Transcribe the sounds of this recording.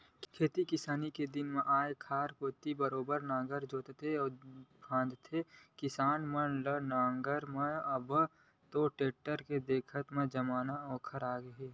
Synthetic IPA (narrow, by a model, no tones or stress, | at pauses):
kʰeːt̪ikɪsaːniked̪ɪnmẽʔaːekʰaːɾkoːt̪ibəɾoːbəɾnãːɡəɾd͡ʒoːt̪t̪ʰeɔːkʰãːnd̪t̪ʰekɪsaːnmɐlənãːŋɡəɾmẽɐb | t̪oːʈeːʈːəɾked̪eːkʰət̪mẽd͡ʒɐmaːnaɔ̃ːkʰəɾaːɡeɦeː